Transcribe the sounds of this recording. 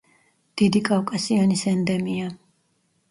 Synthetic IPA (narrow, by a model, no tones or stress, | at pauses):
d̪̥id̪ikʼafkʼasianisɛnd̪ɛmia